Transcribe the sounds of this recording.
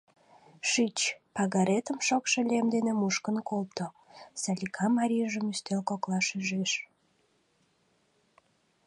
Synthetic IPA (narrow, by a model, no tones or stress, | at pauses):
ʃyt͡ɕpɑɣɑɾet̪əmʃokʃelʲemd̪enemuʃkənkʰolt̪o | sɑlʲikʰɑmɑɾʲiəʒəmyst̪elkoklɑʃyʒeʃ